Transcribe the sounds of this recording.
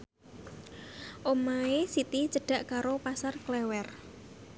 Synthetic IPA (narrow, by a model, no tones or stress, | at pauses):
ʔomaesit̪it͡ʃəɖ̥ä̤ʔkaɾopasarklɛwɛr